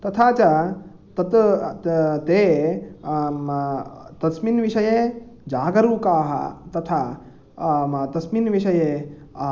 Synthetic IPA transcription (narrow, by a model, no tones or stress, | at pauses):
t̪ɐt̪ʰaːt͡ʃɐ | t̪ɐt̪ | t̪eː | t̪ɐsminʋiʂɐjed͡ʒaːɡɐɾuːkaːɦɐ̰t̪ɐt̪ʰa | t̪ɐsminʋiʂɐje